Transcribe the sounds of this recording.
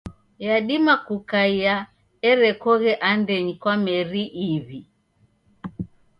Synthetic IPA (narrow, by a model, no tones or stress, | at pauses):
jaɗimakukaia | ɛɾɛkɔɣɛʔandɛɲikwamɛɾiʔiβi